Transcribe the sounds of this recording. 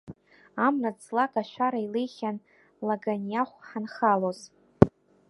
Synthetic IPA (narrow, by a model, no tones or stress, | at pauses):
amrat͡slakʼaʃʷᶣaɾailejχʲan | laɡanjaχʷħanχaloz